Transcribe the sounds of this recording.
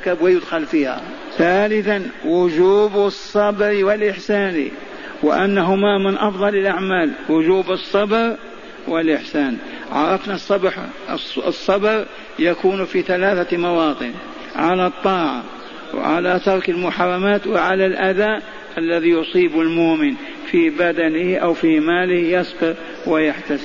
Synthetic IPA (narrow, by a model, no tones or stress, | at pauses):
kabwajʊd̪xalfiːha̰ | θaːlɪθanwʊd͡ʒuːbsˤːɑbɾwɪlʔɪħsaːnḭ | wɪ̰ʔanːaɦʊmamɪnʔɑfðˤɑlɪlʔaʕmaːlwʊd͡ʒuːbɨsˤːɑbɾ | wɪlʔɪħsaːn | ʕɑ̰ɾˤɑfnasˤːɑbħ | sˤːɑbɾ | jakuːnfiθalaːθamɑwɑːt̪ˤɨn | ʕalat̪ˤːɑːʕa̰ | w̰ʕa̰lat̪ɑɾˤkɪlmʊħɑrˤːɑmaːt̪wɪʕalalʔaðaːʔ | ʔalːaðijʊsˤiːbɪlmʊʔmɪn | fibad̪anɪhʔawfimaːlɪhjɑsbɪɾ | wɪjaħt̪as